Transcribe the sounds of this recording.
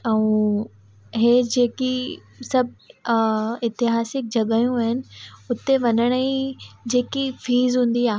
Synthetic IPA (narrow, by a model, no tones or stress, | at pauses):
ɛ̃ũ | ɦed͡ʑeːki | sɐbʱ | ɪt̪ɪɦaːsɪk̚d͡ʑɐɠaːjũaːɦɪnɪ̆ʊt̪eʋɐɲəɽ̃əid͡ʑeːkifiːzɦũːn̆d̪iaːɦ